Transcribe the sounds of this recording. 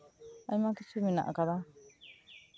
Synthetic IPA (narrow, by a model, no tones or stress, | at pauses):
aĩmãkit͡ʃumĩnã̰ʔkad̪a